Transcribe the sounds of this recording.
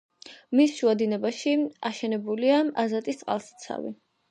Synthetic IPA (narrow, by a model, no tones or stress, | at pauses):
misʃuad̪inɛbaʃiaʃɛnɛbuliaazat̪ʼist̪ʼqʼa̰lˠst̪sʰa̰vḭ